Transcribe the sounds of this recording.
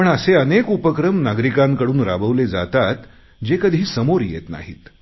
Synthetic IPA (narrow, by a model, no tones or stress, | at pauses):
pəɳəseənekupəkɾəmnaɡɾikãŋkəɽuːnɾabəʋled͡za̰t̪at̪ | d͡ʑekəd̪ʱiːsəmoɾjḛt̪na̰ɦiːt̪